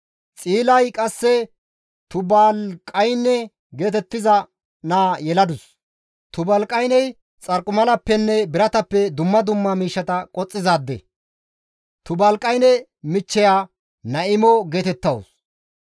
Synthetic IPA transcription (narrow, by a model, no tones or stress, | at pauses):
t͡sʼiːlɐjkʼɐsːɛ | t̪ʊbɐlkʼɐjnːɛ | ɡe̞ːt̪ɛt̪ːɪzɐ | naːjɛlɐd̪ʊs | t̪ʊbɐlkʼɐjnɛj | t͡sʼɐɾkʼʊmɐlɐpːɛnːɛbɪɾɐt̪ɐpːɛd̪ʊmːɐd̪ʊmːɐmiːʃːɐt̪ɐkʼɔt͡sʼːɪzaːd̪ːɛ̰ | t̪ʊbɐlkʼɐjnɛ | mɪt͡ʃːɛjaː | nɐɪmɔɡeːt̪ɛt̪ːɐws